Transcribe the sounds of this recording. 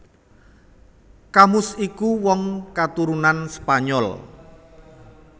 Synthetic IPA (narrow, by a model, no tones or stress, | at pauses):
kamʊsikuwɔŋkat̪uɾunanspaɲɔl